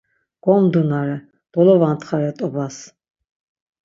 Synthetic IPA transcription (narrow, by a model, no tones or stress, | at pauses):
ɡ̥ɔmd̪unaɾɛ | b̪̥ɔlɔvant̪ʰχaɾɛt̪ʼɔbas